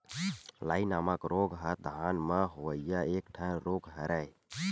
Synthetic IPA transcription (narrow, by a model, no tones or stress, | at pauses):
laːinaːmakɾoɡɦəd̪ʱanməɦoəijaek̚ʈʰənɾoɡɦəɾəj